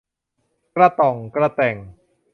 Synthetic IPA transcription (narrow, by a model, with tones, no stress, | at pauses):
kɾa˧t̪ɔ˨˩ŋkɾa˧t̪ɛ˨˩ŋ